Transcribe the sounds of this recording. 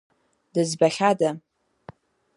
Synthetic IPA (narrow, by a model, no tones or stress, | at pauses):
dɨzbaχʲada